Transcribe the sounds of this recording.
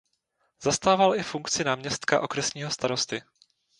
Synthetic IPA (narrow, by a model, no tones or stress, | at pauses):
zast̪aːvalɪfuŋkt͡sɪnaːmɲɛst̪ka̰ʔo̞kɾɛsɲiːɦo̞st̪aɾo̞st̪ɪ